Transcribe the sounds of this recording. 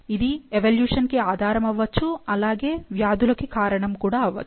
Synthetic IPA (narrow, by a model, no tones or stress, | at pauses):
id̪ieʋɐljuːʂɐnkeaːd̪ʱaːɾɐmɐʋːɐt͡ʃːuɐlaːɡeːʋjaːd̪ulɐkekaːɾɐɳɐmkuːɽaɐʋɐ̰t͡ʃː